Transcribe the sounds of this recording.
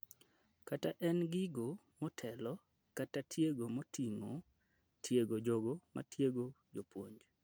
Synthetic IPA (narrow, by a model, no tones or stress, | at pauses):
kataʔɛnɡɪɡomɔtʰɛlɔ | katatʰjeɡomotʰiŋo | tʰjeɡod͡ʒoɡoma̰tjeɡo | d͡ʒopwoɲd͡ʒ